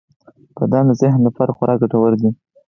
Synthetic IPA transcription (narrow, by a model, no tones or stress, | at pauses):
pəd̪ɑnazɪhnlafaɾxaɾʔɑɡaʈawəɾd̪i